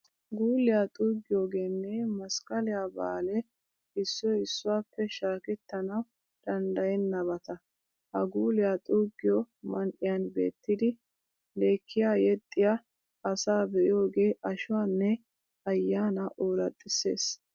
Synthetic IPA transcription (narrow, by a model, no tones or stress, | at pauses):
ɡuːlɪjaːt̪ʼuːɡːɪjo̞ːɡe̞ːnːɛmɐskʼɐlɪjaːba̰ːlɛ | ɪsːɔɪsːʊwaːpːɛʃaːkɛt̪ːɐnɐw | d̪̥ɐnd̪ɐjɛnːɐβɐt̪ɐ | hɐɡuːlɪjaːt̪ʼuːɡːɪjɔmɐnʔɪjɐnbe̞̰ːt̪ːɪd̪ɪ | le̞ːkʰːɪjaːjɛt̪ʼːɪja | ɐsaːbɛʔɪjo̞ːɡe̞ːʔɐʃʊwaːnːɛ | ɐjːaːnɐʔoːɾɐt̪ʼːɪse̞̰ːs